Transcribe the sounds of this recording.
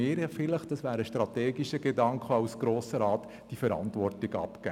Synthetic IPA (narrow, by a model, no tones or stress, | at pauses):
ɪːɾfɪləχd̥ɑsʋæːɾəʃtɾɑteːɡiʃəɡedɑŋkχəɑʊsɡ̥ɾoːsəɾɑːt | d̥ifəɾɑ̰ntʋɔrtɪɡɑ̰pkæ